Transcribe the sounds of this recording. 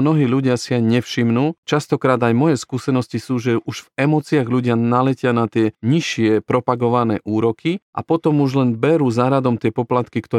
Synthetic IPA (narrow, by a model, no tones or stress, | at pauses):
nɔɦiːʎuɟɪasiaɲɛfʃimnuːt͡ʃast̪ɔkɾaːd̪ajmɔjɛskusɛnɔscisuːʒɛʔuʒvɛmɔt͡siaɣʎuɟɪanalɛcɪanat̪ɪɛɲiʃɪɛpɾɔpaɡɔʋanɛːʔuːɾɔkʰiʔa̰pɔt̪ɔmuʒlɛnbɛɾuːzaɾad̪ɔmt̪ɪɛpɔplat̪kikt̪ɔ